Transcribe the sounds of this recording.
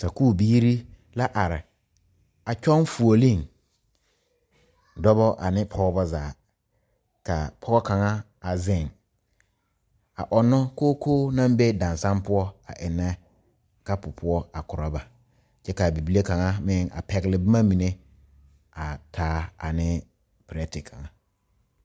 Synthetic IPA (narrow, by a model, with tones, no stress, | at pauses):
sa˨kuː˦˨biː˦ɾi˦ | la˦ʔa˨ɾɪ˨ | a˨t͡ʃᶣɔ˦n˦fu˨o˨lĩ˦˨n | dɔ˦bɔ˦ʔa̰˨nɪ̃˦pʰɔ˦ɡɔ˦bɔ˦zaː˨ | ka˨pʰɔ˦ɡɔ˦kʰã˨ŋã˦ | a˨zɪ̃˦˨n | a̰˨ʔɔ˨nːʊ̃˦koː˦kʰoː˦nã˦m˦be˦dã˨n˨sã˦mpʊ˦ɔ˦a̰˨ʔɪ˨nːɛ̃˦ | ka˦pʊ˨pʰʊ˦ɔ˦a˨kʊ˨ɾa˦ba˨ | t͡ʃɛ˦ka˨bi˨bi˦le˦kã˨ŋã˦mɪ̃˦˨ŋa̰˨pʰɛ˨ɡɪ˨lɪ˨bɪ˦mã˦mĩ˨nẽ˦ | a˨tʰaː˦a̰˨nɪ̃˦ | pɾɛ˦tɪ˨kʰã˨ŋã˨